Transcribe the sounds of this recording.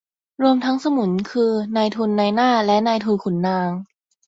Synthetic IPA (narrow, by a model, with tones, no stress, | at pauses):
ɾu˧əmt̪ʰa˦˥ŋsa˧mu˩˦nkʰɯː˧naː˧jt̪ʰu˧nːaː˧jnaː˥˩lɛ˦˥naː˧jt̪ʰuː˧kʰu˨˩˦nːaː˧ŋ